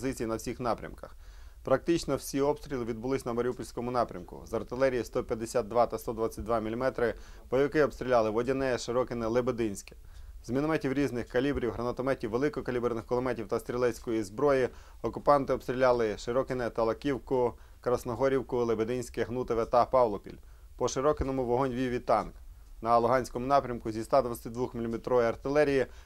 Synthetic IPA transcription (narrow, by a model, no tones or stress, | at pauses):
zɪt͡sʲijinɐwsʲixnɑpɾʲɐ̰mkɐxpɾɐk̚t̪ɪt͡ʃnɔwsʲiɔpst̪ʲɾʲilˠɪʋʲid̪̚bʊlˠɪsʲnɐmɐɾʲupɔlʲsʲkɔmʊnɑpɾʲɐmkʊ̰zɐrt̪ɪlˠɛɾʲijist̪ɔpʲjɐd̪ːesʲad̪̚d̪ʋɑt̪ɐst̪ɔd̪ʋɑt͡sʲːɐt̚ʲd̪ʋɑmʲilʲimɛt̪ɾɪ | b̥ɔjʋɪkɪɔbst̪ʲɾʲilʲɑlˠɪʋɔdʲinɛɛʃɪɾɔkɪnɛlˠebed̪ɪnʲsʲkɛ̥ | zmʲinɔmɛtʲiwɾʲiznɪxkɐlʲibɾʲiwɦɾɐnɐt̪ɔmɛtʲiwʋːelˠɪkɔkɐlʲibrnɪxkɔlˠɔmɛtʲiwt̪ɐst̪ɾʲilˠɛsʲkɔjizbɾɔji | ɔkʊpɑnt̪ɪɔbst̪ɾʲilʲɑlˠɪʃɪɾɔkɪnɛt̪ɐlˠɐkʲiwkʊ | kɾɐsnɔɦɔɾʲiwkʊlˠebed̪ɪnʲsʲkɛɦnut̪eʋɛt̪ɐpɑwlˠɔpʲḭlʲ | pɔʃɪɾɔkɪnɔmʊʋɔɦɔnʲʋʲijʋʲit̪ɑnk | nɐlˠʊɦɑnʲsʲkɔmʊnɑpɾʲɐmkʊzʲist̪ɑd̪ʋɐt͡sʲɐt̪ɪd̪ʋuxmʲilʲimet̪ɾɔʋɔjɐrt̪ɪlˠɛɾʲiji